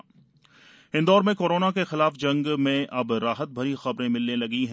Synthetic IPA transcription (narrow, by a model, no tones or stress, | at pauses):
ɪ̃nd̪ɔːɾmẽkoːɾoːnakexɪlaːfd͡ʒɐ̃ŋɡmẽʔɐbɾaːɦət̪̚bʱɐɾixɐbɾẽmɪlnelɐɡiɦɛ̃ː